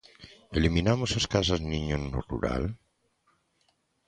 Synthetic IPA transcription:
elimĩnamosaskas̬azniɲonːorṵɾa̰l

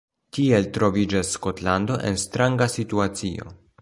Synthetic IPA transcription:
tie̞ltɾo̞vid͡ʒasːko̞tlando̞ʔe̞̰nstɾaŋɡasituat͡sio̞̰

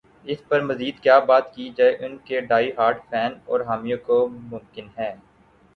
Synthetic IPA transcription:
ɪspɐɾmɐziːd̪kjaːbaːt̪kid͡ʒaːeʔʊnkeɖaːiɦaːɾɖpʰɛːnɔːɾɦaːmijõkomʊ̃mkɪnɦɛː

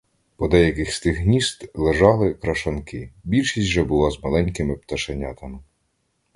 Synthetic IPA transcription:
pɔd̪ɛjɐkɪxst̪ɪɣɦnʲist̪lˠeʒɑlˠɪkɾɐʃɐnkɪbʲilʲʃisʲʒɛbʊlˠɑzmɐlˠɛnʲkɪmɪpt̪ɐʃɐnʲat̪ɐmɪ

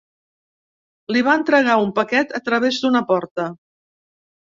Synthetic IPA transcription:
liβ̞aənt̪ɾəɣ̞aumpəkɛt̪ət̪ɾəβezd̪unəpɔɾt̪ə

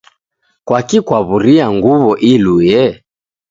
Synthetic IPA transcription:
kwakikwaβuɾiaŋɡuβɔʔilujɛ

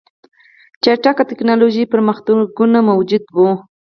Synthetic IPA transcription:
t͡ʃaɾʈakat̪ɪknɑloʒipəɾməxt̪aɡunamawd͡ʒʊd̪wu

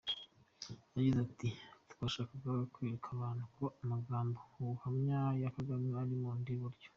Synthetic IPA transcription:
jaɟizatitu̥kaʃaːkakaɡakwiɾekʰaβaːnhukuoamaɡaːmbokuhamɲajakaɡamɲeaɾimondiβuɾɟo̥

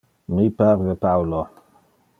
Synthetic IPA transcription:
mipaɾdepawlo

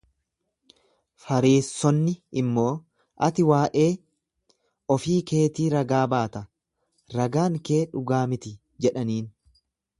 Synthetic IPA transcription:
fɐɾeːsːɔnːɪɪmːo̞ː | ʔɐ̰t̪ɪwaːʔe̞ː | ɔfiːke̞ːt̪iːɾɐɡaːbaːt̪ɐ | ɾɐɡaːŋkeːᶑʊɡaːmɪt̪ɪ | d͡ʒɛᶑɐniːn

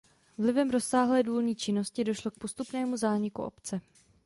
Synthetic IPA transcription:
vlɪvɛmɾo̞sːaːɦlɛːduːlɲiːt͡ʃɪno̞scɪdo̞ʃlo̞k̚po̞st̪upnɛːmuzaːɲɪkṵʔo̞̰pt͡sɛ

